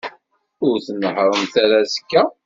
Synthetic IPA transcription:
ʊɾθnəħɾˤəmθæɾæskːæ

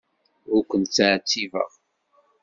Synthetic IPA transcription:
ʊkʷːənt̪t͡sːaʕt͡sːivə̰ʁ

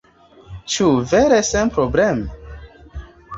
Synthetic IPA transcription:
t͡ʃuveɾesenpɾoblem

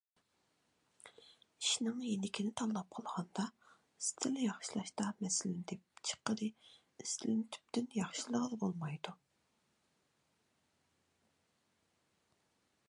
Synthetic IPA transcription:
iʃnɨŋjenɪkʲʰinɪt̪ʰɑlˠːɑp̚qʰəlˠʁɑnd̪ɑ | ist̪ʰɪlɪjɑχʃilˠɑʃt̪ɑmɛsɪlɪnd̪ʰɛp̚t͡ʃʰə̥qːəɾɨ | ist̪ʰɪlɪnt̪ʰy̥p̚t̪ynjɑχʃilˠəʁəd̪ɨbolˠmɑjd̪u

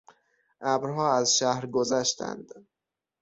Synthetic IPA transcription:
ʔæbɾɦɒːæzʃæhɾɡozæʃt̪ʰæ̰nd̪̥

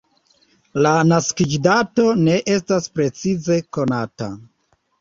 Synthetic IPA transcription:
lanaskid͡ʒdato̞ne̞ʔe̞staspɾe̞t͡size̞ko̞nata̰

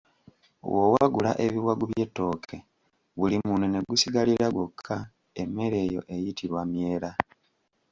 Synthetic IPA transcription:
wowaɡula̰ʔeβiwaɡuβje̞tːo̞kʰe̞ | βulimunene̞ɡusiɡaliɾaɡwo̞kʰːa | emːe̞ɾe̞ːjo̞̰ʔe̞jitʰiɾwamje̞ːɾa

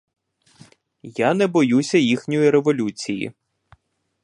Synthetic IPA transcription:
janɛbɔjusʲɐjixnʲɔjiɾeʋɔlʲut͡sʲijḭ

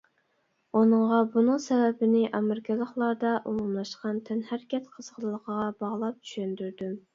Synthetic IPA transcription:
unɨŋʁɑbunɨŋsɛvɛbɪnɪʔɑmɪɾɪkʲʰɛlˠəχlˠɑd̪ɑʔumumlˠɑʃqɑnt̪ʰɛnhæɾkʲɛt̪qʰəz̥ʁʰəlˠlˠəqʰəʁɑbɑʁlˠɑp̚t͡ʃʰy̥ʃynd̪yɾd̪ym

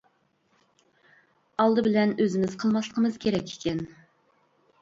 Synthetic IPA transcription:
ɑlˠd̪ɨbɪlɛnøzɪmɪzqʰəlˠmɑslˠəqʰəmɨz̥kʲʰeɾɛkʲʰːe̥kʲʰɛn

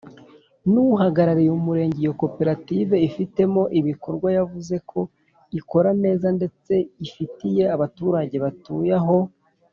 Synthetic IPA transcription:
nuɦaɡaɾaɾijumuɾe̞ːɲɟejokope̞ɾative̞ifite̞mo̞ʔiβiko̞ɾɡwajavuze̞kʰo̞ | iko̞ɾame̞ːzande̞t͡se̞ifitije̞aβatuɾaɟe̞βatujaɦo̞

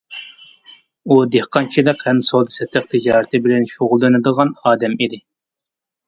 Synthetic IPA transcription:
ud̪ehqʰɑnt͡ʃʰiləqhɛmsolˠd̪ɨsɛt̪ʰɨq̚t̪ʰɪd͡ʒɑːɾɨt̪ʰɪbɪlɛnʃoʁʊlˠːɨnɨd̪əʁɑnɑːd̪ɛmid̪ɪ

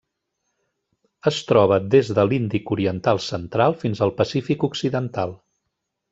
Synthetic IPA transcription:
əst̪ɾɔβəd̪ezðəlind̪ikuɾiənt̪alˠsənt̪ɾalˠfinzəlˠpəsifikuksiðənt̪alˠ

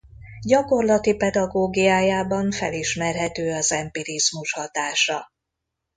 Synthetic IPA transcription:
ɟɒko̞rlɒt̪ipɛd̪ɒɡoːɡijaːjaːbɒɱfɛ̰liʃmɛrɦɛt̪øːɒzɛmpiɾizmuʃhɒt̪aːʃɒ

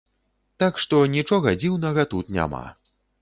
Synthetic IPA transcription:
t̪akʂt̪ɔnʲit͡ʂɔɣɐd͡zʲiwnɐɣɐt̪ut̪nʲa̰ma̰

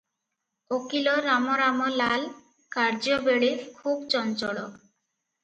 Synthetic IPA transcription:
okiloɾamoɾamolal | kaɾd͡ʑobeɭekʰubt͡ɕɔnt͡ɕɔɽɔ

